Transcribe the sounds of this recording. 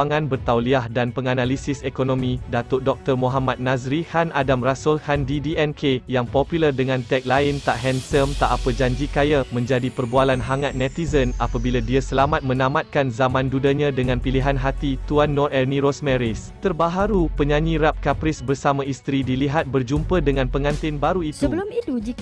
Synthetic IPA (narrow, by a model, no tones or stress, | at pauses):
aŋãnbərt̪awliahdanpəŋanalisɪsekonõmĩdat̪ʊʔdɔk̚t̪ərmoɦamat̪̚nazɾihanʔadamrasʊlhandidiɛnkʰejaŋpopjulərdəŋãnt̪ɛk̚laɪnt̪aʔɦɛnsəmt̪aʔapəd͡ʒaɲd͡ʒikajamə̃ɲd͡ʒadipərbualanɦaŋat̪̚nɛ̃t̪izənʔapabiladiasəlamat̪̚mə̃nãmãt̪̚kanzamãndudaɲãdəŋãnpiliɦanɦat̪it̪uanːɔrʔɛrnĩɾosmɛɾɪst̪ərbaɦaɾupəɲãɲĩɾap̚kapɾɪsbərsamãist̪ɾidiliɦat̪̚bərd͡ʒumpədəŋãnpəŋãnt̪ɪnbaɾuit̪u